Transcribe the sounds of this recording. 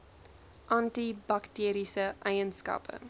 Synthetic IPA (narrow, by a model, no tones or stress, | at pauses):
ʔɐntibɐktiːɾisəʔɛjənskɐ̰pə̰